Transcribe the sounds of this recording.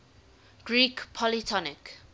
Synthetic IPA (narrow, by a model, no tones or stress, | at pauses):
ɡ̥ɹikpʰɔlitʰɔnɪk